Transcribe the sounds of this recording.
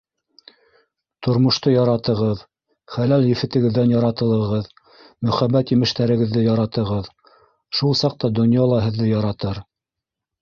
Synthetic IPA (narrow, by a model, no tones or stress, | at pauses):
t̪ʰŏɾmŏʃt̪ojɑɾɑt̪ɤ̆ʁɤð | χælæljɘ̆fɘ̆t̪ɘ̆ɡɘ̆ðːænjɑɾɑt̪ɤ̆lˠɤ̆ʁɤð | mɵ̆χæbːæt̪jɘ̆mɘ̆ʃt̪æɾɘ̆ɡɘ̆ðːɘjɑɾɑt̪ɤ̆ʁɤð | ʃulˠsɑq̚t̪ɑd̪ŏnjɑlˠɑɦɘ̆ðːɘjɑɾɑt̪ɤɾ